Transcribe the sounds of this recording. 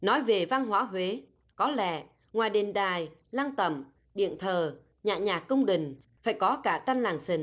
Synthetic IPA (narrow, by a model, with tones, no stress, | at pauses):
nɔ˨˦jve˨˩va˧nɦwaː˨˦ɦwe˨˦ | kɔ˨˦lɛ̰˧˨ | ŋwaː˨˩jɗe˨˩nɗaː˨˩jlaː˧nt̪ə̰˧˩m | ɗḭ˧˨ənt̪ʰəː˨˩ | ɲaː˧˨˩ɲaː˨˩kːə˧wŋ͡mɗï˨˩ŋ̟ | faː˧˩jkɔ˨˦kaː˧˩t̪a˧nlaː˨˩ŋsï˨˩ŋ̟